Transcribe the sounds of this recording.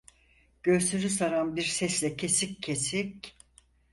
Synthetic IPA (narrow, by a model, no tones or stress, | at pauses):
ɟ̥ø̞ɾsʰyɾysaɾanbiɾsɛslʲɛcʰe̞sicʰːe̞sic